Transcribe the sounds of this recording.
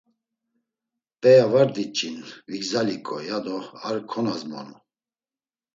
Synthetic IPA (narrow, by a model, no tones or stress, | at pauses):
pʼɛjavaɾd̪it͡ʃʼinviɡzalikʼɔjad̪ɔaɾkʰɔnazmɔ̰nu